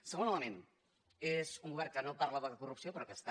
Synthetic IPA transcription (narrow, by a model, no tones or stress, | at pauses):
səɣonələmen | ezuŋɡuβɛrkənopaɾləðəðəkurupsiopɾɔkəst̪a